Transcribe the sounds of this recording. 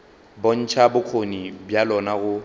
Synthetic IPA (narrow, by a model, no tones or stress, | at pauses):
bon̩t͡ʃʰabʊkʰonibjalɔnaɣʊ